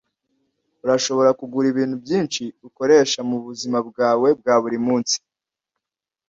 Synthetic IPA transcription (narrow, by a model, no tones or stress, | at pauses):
uɾaʃo̞βo̞ɾakuɡuɾiβiːn̥hubjiːnʃiuko̞ɾe̞ʃamuβuzimabɡaːwe̞b̚ɡaːβuɾimuːnsi̥